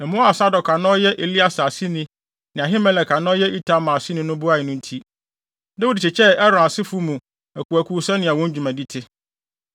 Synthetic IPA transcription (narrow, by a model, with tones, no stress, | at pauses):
ɛ̃˨mʊ̃˦a˨sa˦dɔ˨kʰa˨nɔ̃˦jɛ˦ʔe˨li˦a˦sa˨si˦nĩ˦ | nɪ̃˨a˨ɦɪ˦mɛ̃˦lɛ˨kʰa˨nɔ̃˦jɛ˦ʔi˦tʰa˦mã˨si˦nĩ˦nʊ̃˦bʊ˦a˦ɪ˨nʊ̃˦n̩˦tʰi˦ | dɛ˦wʊ˦dɪ˨t͡ɕɪ˨t͡ɕʰɛ˦ɛ˦ɾɔ̃˨a˨sɪ˦fu˦mũ˨ | æ˨ku˨æ˨kʰu˦sa˦nɪ̃˨a˨wɔ̃˦ɲ˦d͡ʑᶣu˨mã˨di˦tʰɪ˦